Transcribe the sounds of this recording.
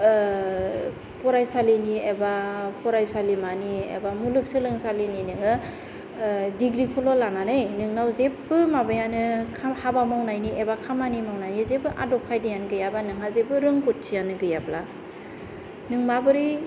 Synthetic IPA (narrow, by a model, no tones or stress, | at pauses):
pɔɾajsaliniebapɔɾajsalimaniḛbamulɯk̚sɯlɯŋsalininɯŋɯ | diɡɾikʰɔlɔlananɯjnɯŋnawzepbɯmabajanɯkʰahabamawnajniʔebakʰamanimawnajnizebɯʔa̰dɔp̚kʰajdijanɡɯjabanɯŋɦazebɯɾɯŋkɔt̚tʰijanɯɡɯjabla | nɯŋmabɯɾi